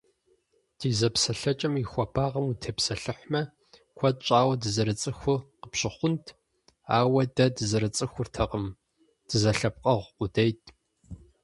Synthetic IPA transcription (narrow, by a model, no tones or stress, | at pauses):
d̥iːzɐpsɐɬɐt͡ʃʼɐmixʷɐbʰaːʁɐmutʰeːpsɐɬɨħʷmɐ | kʷʰɐt̚t͡ʃʼaːwɐdɨzɐɾɨt͡sʼɨxʷʊqəpɕɪχʷʊntʰ | aːwɐdɐdɨzɐɾɨt͡sʼɨxʷʊrtʰɐqəm | d̥ɨzɐɬɐp̚qʼɐʁʷʊdejtʰʼ